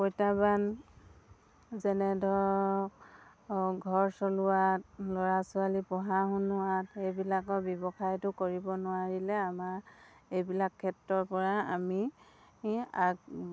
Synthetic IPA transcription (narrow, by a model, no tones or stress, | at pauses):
kojtaban | zɛnɛdʱɔɹ | ɡʱɔɹsɔlʊat̚lɔɹasʊalipɔɦaɦʊnːʊwatejbilakɔɹbjɔbɔxajtʊkoɹibɔnʊaɹilɛamaɹejbilakʰːɛtɹɔɹpɔɹaami | aɡ